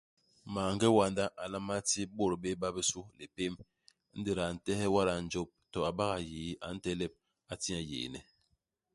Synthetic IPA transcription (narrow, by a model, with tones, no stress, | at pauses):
maː˨ŋ˦ɡɛ˦wa˨nda˦ʔa˨la˦ma˦ti˦bo˦˨ɾbe˦ba˦be˦su˦le˨pe˦m | n̩˦di˨ɾa˨n̩˨tɛ˦hɛ˦wa˦ɾa˨n̩˨˦d͡ʒɔ˦p̚tɔ˨a˨ba˦ɣa˨je˨˦a̰˨˦n̩˦tɛ˦lɛ˦˨p̚ | a˨ti˦a˨jḛ˨nɛ̰˨